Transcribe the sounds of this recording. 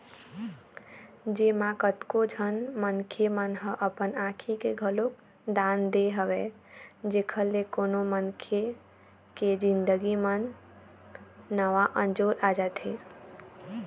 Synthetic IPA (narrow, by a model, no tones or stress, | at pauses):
d͡ʒemãkət̪kod͡ʒʱənmənkʰemənɦə̃ʔəpənãkʰikeɡʱəlok̚ | d̪and̪eɦəʋɛ | d͡ʒekʰəlːekonomənkʰe | ked͡ʒind̪əɡimən | əʋaʔənd͡ʒoɾad͡ʒat̪ɦe